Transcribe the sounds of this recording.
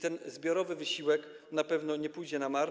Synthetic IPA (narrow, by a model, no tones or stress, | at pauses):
t̪ɛnzbʲjɔɾɔvɘvɘɕiwɛknapɛvn̪ɔɲɛpujd͡ʑɛnamaɾ